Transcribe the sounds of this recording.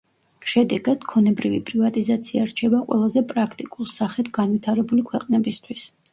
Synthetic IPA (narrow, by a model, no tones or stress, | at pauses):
ʃɛd̪ɛɡad̪̥kʰɔnɛbɾivipʼɾivat̪ʼizat̪sʰiaɾt͡ʃʰɛbaqʼwɛ̰lˠazɛpʼɾakʰt̪ʼikʼulˠsaχɛt̪ʰɡanvit̪ʰaɾɛbulikʰwɛqʼnɛbist̪ʰwis